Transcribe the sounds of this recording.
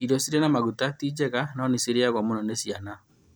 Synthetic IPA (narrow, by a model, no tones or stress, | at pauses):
iɾɔsiɾenamaɣutatid͡ʒɛɣanɔniseɾeaɣwamonɔnesiana